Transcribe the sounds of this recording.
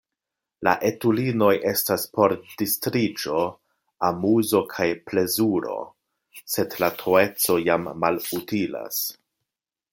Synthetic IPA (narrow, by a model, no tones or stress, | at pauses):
la̰ʔe̞tulino̞jʔe̞staspo̞ɾdistɾid͡ʒo̞ | amuzo̞kʰajple̞zuɾo̞̰ | se̞dlatʰoe̞t͡so̞jamːalutila̰s